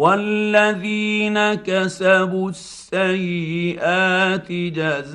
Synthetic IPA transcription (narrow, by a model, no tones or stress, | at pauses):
walːaðiːnakasabusːajɪʔaːt̪ɪd͡ʒaz